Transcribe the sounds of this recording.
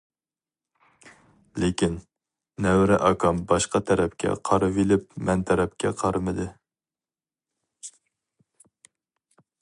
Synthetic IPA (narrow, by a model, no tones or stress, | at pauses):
lɪkʲin | nːɛwɾɛʔɑkʰɑmbɑʃqɑt̪ʰɛɾɛpkʲɛ̰qʰɑɾɨvilɪp̚mɛnt̪ʰɛɾɛp̚kʲɛ̰qʰɑɾɨmɨd̪ɨ